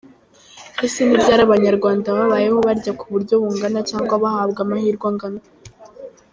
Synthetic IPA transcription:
hisinibɟaːɾaβaɲaɾɡwaːndaβaβaːjeho̞βaɾɟakuβuɾɟo̞βuŋɡanat͡ʃaːŋɡwaβahaːbɡamahiːɾɡwaŋɡana

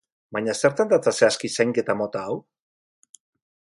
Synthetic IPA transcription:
baɲase̞ɾt̪and̪at͡s̪aseaskisajŋke̞t̪amo̞t̪aːw

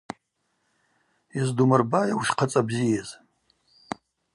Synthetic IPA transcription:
izdumɨrbajawʃqʰat͡sʼabzijaz̥

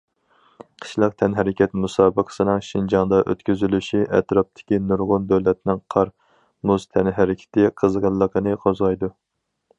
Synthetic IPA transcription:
qʰə̥ʃlˠɑq̚t̪ʰɛnɦɛɾɪkʲʰɛt̪musɑːbəqʰə̥sɨnɨŋʃind͡ʒɑŋd̪ɑʔø̰t̪kʲyzylyʃiʔɛ̰t̪ɾɑp̚t̪ʰɪ̥kʲinuɾʁʊnb̪æwlɛt̪nɪŋqʰɑɾ | muzt̪ʰɛnɦæɾɪkʲʰɪ̥t̪ʰɪqʰəzʁəlˠːəqʰənɨqʰozʁɑjd̪u

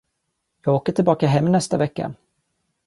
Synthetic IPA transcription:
jɑːɡoːkəʈʰɪlbɑːkaɦɛmːnɛst̪avɛkːa̰

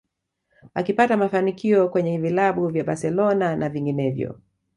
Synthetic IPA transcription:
akipatamafanikiɔkwɛɲɛvilaɓuvjaɓaɾsɛlɔnanʔaviŋɡinɛvjɔ̰

